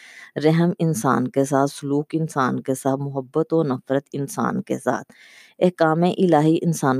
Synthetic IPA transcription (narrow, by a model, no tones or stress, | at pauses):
ɾɛɦəmɪnsa̰ːnkes̬aːt̪sʊluːkɪnsaːnkesaːt̪mʊɦəbːət̪oːɾnəfɾət̪ɪnsa̰ːnkḛsa̰ːt̪ʰ | ɛɦkaːmẽʔɪlaːɦiʔɪnsaːn